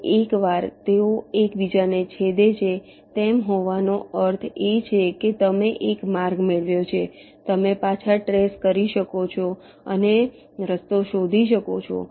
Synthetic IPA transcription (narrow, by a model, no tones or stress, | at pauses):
ekʋaɾt̪eoekʋid͡ʒanet͡ʃʰed̪et͡ʃʰe | t̪emɦoʋanoəɾt̪ʰet͡ʃʰeket̪əmeʔekmaɾɡmeɭʋjot͡ʃʰe | t̪əmepat͡ʃʰaʈɾeskəɾiʃəkot͡ʃʰo | ə̰ne | ɾəst̪oʃod̪ʱiʃəkot͡ʃʰo̰